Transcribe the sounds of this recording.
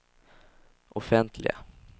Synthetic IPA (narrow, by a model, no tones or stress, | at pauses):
ʔɔfɛnt̪ʰlɪ̰ɡa̰